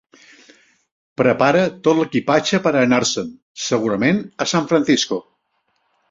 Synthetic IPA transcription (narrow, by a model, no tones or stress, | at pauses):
pɾəpaɾət̪ot̪ləkipat͡ʃəpəɾəːnaɾsən | səɣ̞uɾəmenəsaɱfɾənθisku